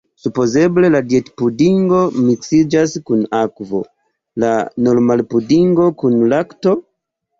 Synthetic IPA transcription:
supo̞ze̞ble̞ladjetpudiŋɡo̞miksid͡ʒaskunakvo̞̰ | lanolmalpudiŋɡo̞kunlakto̞

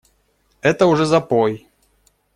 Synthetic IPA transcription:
ɛt̪ɐwʐɛzapɔj

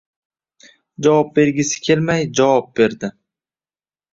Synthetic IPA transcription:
d͡ʒavɒp̚be̞ɾɡʲɪsɪ̥kʲʰe̞lmajd͡ʒavɒp̚b̥e̞ɾd̪ɪ

